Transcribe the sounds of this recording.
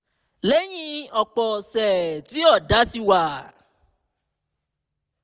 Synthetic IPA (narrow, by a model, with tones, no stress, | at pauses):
le˦j̃ĩ˧ɔ˨k͡pɔ˨sɛ˨ti˨˦ɔ˦˨da˨˦ti˧wa˨